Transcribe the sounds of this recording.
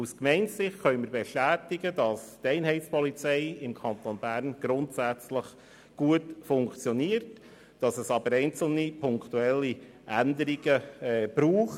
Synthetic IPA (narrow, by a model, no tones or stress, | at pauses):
uskmɛɪnsɪχtχœʏməɾbɛʃtæːtɪɡədɑstɛɪnɦɛɪtspʰɔlit͡sɛɪɪmkʰɑnt̪onbæɾnɡ̥ɾʊntsæt͡sləχ | ɡ̥uətfʊŋkt͡sjɔniəɾt | d̥ɑsɛsɑbəɾɛɪnt͡sl̩nipʰʊŋktuɛlːi | ʔændəɾiɡəːb̥ɾuːχ